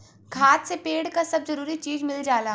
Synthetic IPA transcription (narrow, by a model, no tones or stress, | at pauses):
ɡʱaːt̪sepeːɽkasɐbzɐɾuːɾit͡ʃiːzmɪld͡ʒaːla